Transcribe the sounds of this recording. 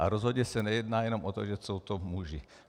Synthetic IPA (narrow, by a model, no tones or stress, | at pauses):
ʔa̰ɾɔzɦɔdɲɛsaɲɛjɛd̪naːjɛnɔmʔɔt̪ɔʒɛsuʊt̪ɔmuʒi